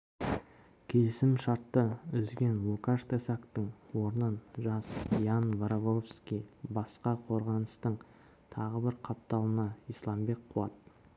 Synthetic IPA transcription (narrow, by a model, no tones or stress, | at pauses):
kʲʰe̞lɪsɪmʃɑɾt̪ːəʏzɡʲe̞nlukaʃt̪ʰesakt̪əɴwo̞ɾnənʒɑsijanvaɾovofskʲijbɑsqɑqʰo̞ɾʁɑnəst̪əɴ | t̪ʰɑʁəbɪɾqʰɑp̚t̪ɑlˠənɑijslˠɑmbe̞k̚qʰuɑt̪̚